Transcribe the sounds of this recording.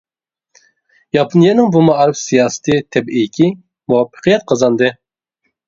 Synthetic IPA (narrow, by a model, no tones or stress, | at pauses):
jɑpʰunijɛnɪŋbumɑɑɾpsijɑːsɨ̥t̪ʰɨt̪ʰɛbʔijkʲʰi | muwɑpʰːə̥qʰjɛt̪̚qʰɑzɑnd̪ɨ